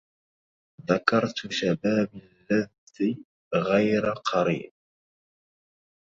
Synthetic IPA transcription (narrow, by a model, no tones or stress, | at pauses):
ðakɑɾˤt̪ʃabaːbalːað | i | ɣajɾaqʰɑɾḭːb̚